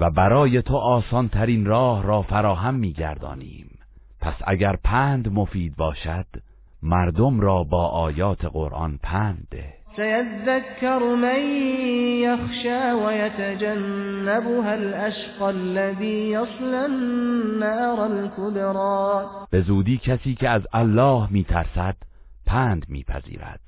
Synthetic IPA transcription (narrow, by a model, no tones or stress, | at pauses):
væbæɾɒːje̞t̪ʰoʔɒːsɒnt̪ʰæɾiːnrɒːhɾɒːfæɾɒːɦæmːiːɡæ̰ɾd̪ɒ̰ːnḭːm | pʰæsʔæ̰ɟæɾpʰæːnd̪mofiːd̪̚bɒːʃæd̪̥ | mæɾd̪omɾɒːbɒːʔɒːjɒːt̪ʰe̞ɣo̞̰ɾʔɒ̰npʰænd̪d̪ḛsajat̪aðakːɑɾˤmaj | jaxʃaːwajat̪ad͡ʒanːabʊɦalʔaʃqɑlːaðiːjɑsˤlanːaʔɾˤalkʊd̪ɾˤɑːb̥e̞zuːd̪iːkʰæsiːcʰeæzælːɒːhmiːt̪ʰæɾsæd̪̥ | pʰæːnd̪mḭːpʰæ̰zḭːɾæ̰d̪̥